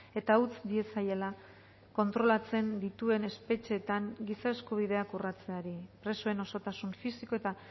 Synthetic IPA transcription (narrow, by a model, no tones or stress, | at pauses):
e̞t̪aut͡sd̪ie̞sajela | ko̞nt̪ɾo̞lat͡se̞nd̪it̪ue̞ne̞spe̞t͡ʃe̞ːt̪aŋɡisae̞skuβ̞iðe̞akurat͡se̞aɾipɾe̞soe̞no̞so̞t̪asuɱfisiko̞e̞t̪a